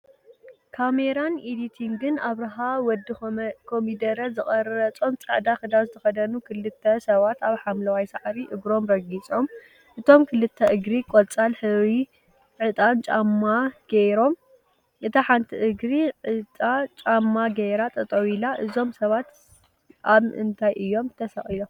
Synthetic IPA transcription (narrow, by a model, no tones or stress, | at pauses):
kʰameɾanid̪it̪ʰiŋɡɨnaβɾɐɦawɔd̪ikʰomid̪ɐɾɐzɨχʼɐɾɾɐt͡sʼo̞mt͡sʼɐ̰ʕd̪axɨd̪azɨt̪ʰɐxɐd̪ɐnukʰɨlɨt̪ʰːɐsɐβat̪aβħamlɐwajsaʕɾiʔɨɡɾo̞mɾɐɡit͡sʼo̞m | ʔɨt̪ʰo̞mkʰɨlɨt̪ʰːɐʔɨɡɾikʼolt͡sʼalħɨwi | ʕɨt̪ʼant͡ʃʼamːaɡ̥ejɾo̞m | ʔɨt̪ʰaħant̪ʰiʔɨɡɾiʕɨt͡s̪ʼat͡ʃʼamːaɡejɾat̪ʼɐt̪ʼɐwilaʔɨzo̞msɐβat̪ | ʔaβɨ̰nt̪ʰajʔɨjːo̞mt̪ʰɐsɐχʼilom